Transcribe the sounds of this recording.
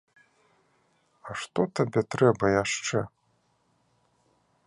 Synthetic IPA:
ɐʂt̪ɔt̪abʲɛt̪ɾɛbɐjaʂt͡ʂɛ

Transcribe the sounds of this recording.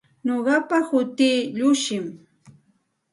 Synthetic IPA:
noɢɑpahʊt̪iːʎʊʃɪm

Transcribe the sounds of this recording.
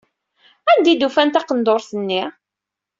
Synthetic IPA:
ænd̪id̪ufænt̪ɑqənd̪oɾθənːi

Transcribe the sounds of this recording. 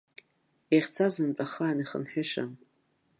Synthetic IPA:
eχʲt͡sʰazɨmpʼaχaaniχə̰nħᶣaʃa̰m

